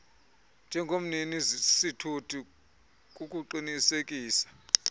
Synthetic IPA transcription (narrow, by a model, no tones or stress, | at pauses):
nd͡ʒʱɛŋɡʱom̩ninizsitʰutʰʼi | k̬ʼuk̬ʼuǃinisek̬ʼiːsḁ